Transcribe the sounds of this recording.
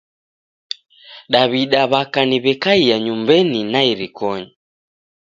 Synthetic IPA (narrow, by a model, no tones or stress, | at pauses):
ɗaβiɗaβakaniβɛkaiaɲumbɛninaiɾikʰɔɲa